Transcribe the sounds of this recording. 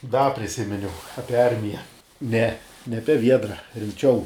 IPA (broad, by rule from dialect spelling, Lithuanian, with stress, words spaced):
dɐ pʲrʲɪˈsʲɪmʲɪnʲɛʊ ˈɑːpʲiɛ ˈɐrʲmʲɪjɛ ˈnʲɛ nʲɛ ˈɑːpʲɛ ˈʋʲiɛdrɐ rʲɪmʲˈt͡ʃʲɛʊ